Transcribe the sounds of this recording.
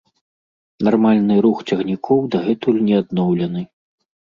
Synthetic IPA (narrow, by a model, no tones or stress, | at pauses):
narmalʲnɨɾuxt͡sʲɐɣnʲikʰɔwd̪ɐɣɛt̪ulʲnʲɛad̪nɔwlʲɐnɨ